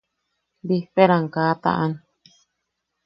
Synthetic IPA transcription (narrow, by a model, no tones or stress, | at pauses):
biɸeɾaŋkaːt̪a̰ʔan